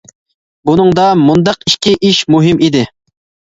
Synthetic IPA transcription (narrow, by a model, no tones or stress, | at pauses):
bunɨŋd̪ɑmund̪ɑqiʃkʲiʔiʃmuɦɪmʔid̪ɪ